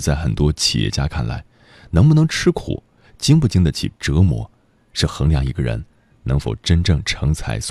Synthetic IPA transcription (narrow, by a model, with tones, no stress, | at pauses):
t͡sa˥˩ɪxə˨˩nt̪wɔ˥t͡ɕʰḭ˨˩jɛ̰˥˧t͡ɕja˥kʰa˥˩nla̰˧˥ɪ | nɤ˧˥ŋpu˥˩nɤ˧˥ŋʈ͡ʂʰɻ̩˥kʰṵ˨˩˦ | t͡ɕi˥ŋpu˥˩t͡ɕi˥ŋd̪ə˨t͡ɕʰḭ˨˩ʈ͡ʂɤ˧˥mwɔ̰˧˥ | ʂɻ̩˥˩xɤ˧˥ŋljɑ˧˩ŋi˧˥ɡə˧ɻə̰˧˥n | nɤ˧˥ŋfo˨˩ʊʈ͡ʂə˥nʈ͡ʂɤ˥˩ŋʈ͡ʂʰɤ˧˥ŋt͡sʰa˧˥ɪs